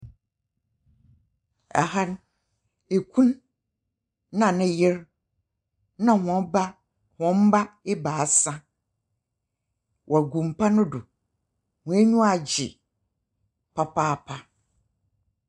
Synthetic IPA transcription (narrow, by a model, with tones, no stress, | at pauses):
ɛ̰˨ha˦n | e˨kʰũ˦n | nã˨nɪ̃˦jɪ˦ɾ | nã˨hɔ̃˨˦ba˦ | hɔ̃˨m̩˦ba˦ɪ˦baː˨a˨sã˦ | wʔɔ˨ɡũ˨m˨pa˦nʊ̃˦dʊ˨ | hʊ̃˨˦e˦ɲũ˦a˨d͡ʑɪ̰˨ | pʰa˦pʰaː˦˨pʰa˦